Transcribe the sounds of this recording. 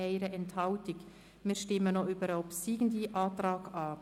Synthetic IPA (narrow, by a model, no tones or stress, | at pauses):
ɛɪɾəʔɛnthɑʊtɪk | miːɾʃtɪmənoybəɾɔpsiːɡn̩diʔɑːtɾɑːɡɑː